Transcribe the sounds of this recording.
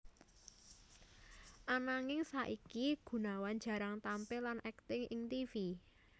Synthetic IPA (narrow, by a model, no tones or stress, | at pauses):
ʔanaŋɪŋsaʔikiɡ̥ṳnawand͡ʒ̥ä̤ɾaŋt̪ampɪlanʔɛkt̪ɪŋʔɪŋt̪ifi